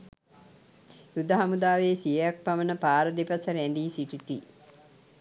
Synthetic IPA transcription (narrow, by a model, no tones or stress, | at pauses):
jud̪aɦamud̪aːʋeːsijejak̚pamənəpaːɾəd̪ipɐsəɾɛnd̪iːsiʈit̪i